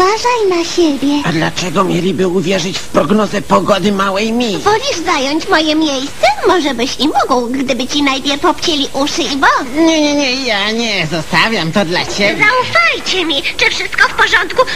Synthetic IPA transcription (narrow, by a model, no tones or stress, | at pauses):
aʐajnaɕebʲjɛad̪lat͡ʂɛɡɔmʲjɛlʲibɘuvʲjɛʐɘt͡ɕfpɾɔɡnɔzɛpɔɡɔd̪ɘmawɛjmʲivɔlʲiʐzajɔɲt͡ɕmɔjɛmʲejst̪sɛmɔʐɛbɘɕimɔɡwɡd̪ɘbɘt͡ɕinajbʲjɛɾpɔpt͡ɕelʲiʔuʂɘivɔɲɛɲɛɲɛjaɲɛzɔst̪avʲjamt̪ɔd̪lat͡ɕebʲjaufajt͡ɕɛmʲiʐɛfʂɘst̪̚kɔfpɔʐɔnt̪ku